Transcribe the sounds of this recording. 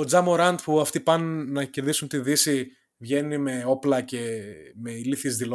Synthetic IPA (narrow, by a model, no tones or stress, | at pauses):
od͡zɐmoɾɐnd̪puɐft̪ipɐnːɐce̞ɾðisunt̪iðisi | vʝe̞nime̞o̞plɐce̞me̞iliθizðilo